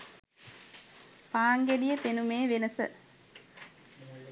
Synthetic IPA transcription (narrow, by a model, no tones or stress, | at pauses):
paːŋɡeɖijəpenumeːʋenəsə̰